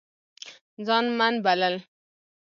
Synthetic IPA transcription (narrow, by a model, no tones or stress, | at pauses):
d͡zɑnmanbaləl